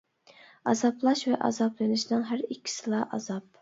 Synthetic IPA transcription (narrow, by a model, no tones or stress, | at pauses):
ɑzɑplˠɑʃvɛʔɑ̰zɑplˠenɪʃnɪŋɦæɾikʲʰːi̥sɨlˠɑʔɑ̰zɑp̚